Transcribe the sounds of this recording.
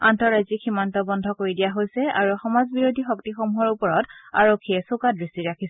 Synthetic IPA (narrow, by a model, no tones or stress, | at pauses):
antɔɹajziximɔntɔbɔndʱɔkoɹidijaɦojsɛa̰ɹuxɔmazbiɹodʱixɔktixomuɦɔɹupɔɹɔtaɹokʰːiɛsokadɹistiɹakʰisɛ